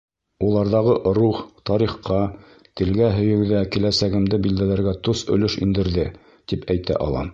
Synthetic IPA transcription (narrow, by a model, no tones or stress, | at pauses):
ulˠɑɾðɑʁɤʔɾuχt̪ɑɾiχqɑ | t̪ɘ̆lɡæɦɵ̆jɘ̆wðækilæsæɡɘ̆md̪ɘbild̪ælæɾɡæt̪osɵ̆lɵʃḭnd̪ɘ̆ɾðɘ | t̪ipæjt̪æ̰ʔɑ̰lˠɑ̰m